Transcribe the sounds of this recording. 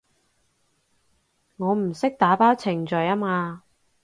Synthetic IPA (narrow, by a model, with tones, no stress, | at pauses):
ŋɔː˨˧m̩˨˩sɪ˥k̚t̪aː˨˧˥paː˥wt͡sʰɪ˨˩ŋt͡ʃœː˨jaː˥maː˧